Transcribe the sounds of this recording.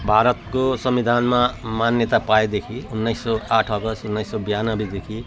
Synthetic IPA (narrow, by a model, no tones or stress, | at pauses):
bʱaɾʌt̪kosʌmbid̪ʱanmamanjʌt̪apaed̪ekʰiunːʌjsːʌaʈʰʌɡʌsunːʌjsːʌbijanʌbid̪ekʰi